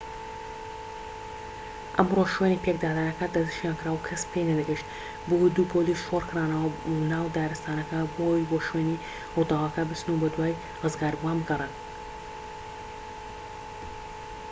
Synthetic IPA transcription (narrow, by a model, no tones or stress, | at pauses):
ʔɐmroʃweniːpek̚d̪aːd̪aːjɐkɐd̪ɐd̪ɨʃjaːnkɨɾaːwkʰɐspʰejnɐd̪ɨɡɨʃt̪ | bod̪uːpʰolisʃorkɨraːnɐwɐnaːwd̪aːɾɨst̪aːnɐkɐbojboʃweni | hʊd̪ɑwɐkɐbɨsnubɐd̪waːj | rɨzɡaːɾbuwanbɨɡɐrˤen